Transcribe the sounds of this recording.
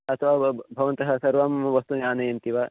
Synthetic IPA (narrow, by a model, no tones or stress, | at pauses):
ɐt̪ʰʋaːbʱɐʋɐnt̪ɐɦɐsɐɾʋamʋɐst̪unjaːnɐjɐnt̪iʋa